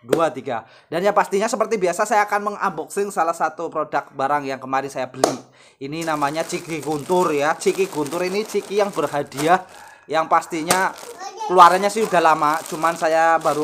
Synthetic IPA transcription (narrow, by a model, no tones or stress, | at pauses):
duat̪iɡa | d̥anjapast̪iɲasəpərt̪ibiasasajaːkanməŋa̰mbɔk̚sɪŋsalahsat̪upɾodak̚baɾaŋjaŋkəmaɾɪnsajabəli | ininamaɲat͡ʃikiɡunt̪ʊrjat͡ʃikiɡunt̪ʊɾinit͡ʃikijaŋbərɦadia | jaŋpast̪iɲakəluaɾaɲasɪhudalamat͡ʃumansajabaɾu